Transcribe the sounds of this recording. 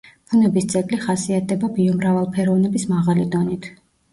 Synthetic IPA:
pʰunɛbist̪sʼɛkʼliχasiat̪̚ʰd̪ɛbabiɔmɾavalˠpʰɛɾɔvnɛbismaʁalid̪ɔnit̪ʰ

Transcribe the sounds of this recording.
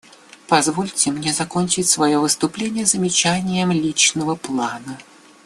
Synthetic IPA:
pɐzvolʲtʲɪmnʲezɐkonʲt͡ɕɪtʲsvɐjo̞vɨst̪ʊplʲenʲɪjəzəmʲɪt͡ɕænʲɪjəmlʲit͡ɕnəvəplˠanə

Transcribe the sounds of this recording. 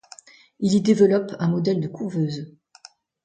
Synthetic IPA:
ilid̪evəlɔpɛ̃mɔd̪ɛld̪əkʰuʁvøːz

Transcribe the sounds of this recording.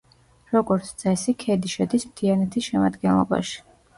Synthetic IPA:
ɾɔɡɔɾt̪sʰt̪sʼɛsikʰɛd̪iʃɛd̪ismt̪ʰianɛt̪ʰisʃɛma̰d̪ɡɛnlˠɔ̰ba̰ʃi̥

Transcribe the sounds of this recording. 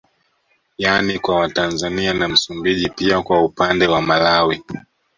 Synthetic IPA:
janikwawatanzanianam̩sumbiʄipiakwaupandɛwamalawi

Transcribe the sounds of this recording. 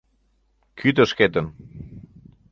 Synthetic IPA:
kʰyd̪ə̆ʃket̪ə̆n

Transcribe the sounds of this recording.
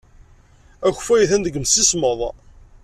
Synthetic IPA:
æçfæjθænd̪əɡəmsisməðˤ

